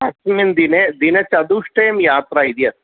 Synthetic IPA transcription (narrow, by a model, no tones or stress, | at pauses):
ɐksmind̪ined̪inet͡ʃɐd̪uʂʈeːmjaːt̪ɾaid̪ijɐt̪